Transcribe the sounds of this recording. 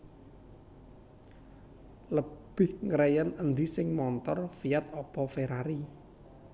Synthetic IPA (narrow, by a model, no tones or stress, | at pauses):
ləb̥ɪhŋəɾɛjənənd̪isɪŋmɔnt̪ɔrfiat̪̚ɔb̥ɔfeɾaɾi